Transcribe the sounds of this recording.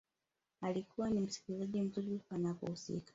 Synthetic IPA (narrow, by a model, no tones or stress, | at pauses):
alikuwanim̩si̥kizaʄim̩zuɾipanakṵhusḭkḁ